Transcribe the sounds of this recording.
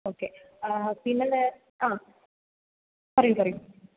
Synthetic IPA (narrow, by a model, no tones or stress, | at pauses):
oːkːe | pinːɐle | aː | pɐrɐjumpɐrɐjum